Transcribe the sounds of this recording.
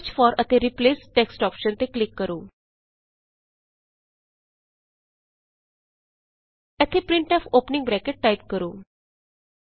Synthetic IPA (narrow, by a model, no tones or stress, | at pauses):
t͡ɕfɔɾət̪eɾiplesʈeksʈɔpʃənt̪eklikːəɾuː | ɛt̪ʰepɾiɳʈɔfopniŋɡbɾɛkeʈ̚ːajp̚kəɾuː